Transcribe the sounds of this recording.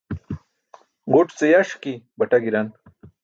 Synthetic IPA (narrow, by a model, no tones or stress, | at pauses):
ɡoʈt͡sejaʂkibɐʈaɡiɾan